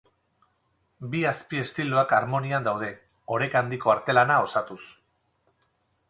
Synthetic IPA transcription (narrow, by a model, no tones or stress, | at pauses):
biaspie̞st̪iloakaɾmo̞niand̪awð̞e̞ | o̞ɾekand̪iko̞aɾt̪e̞lanao̞sat̪us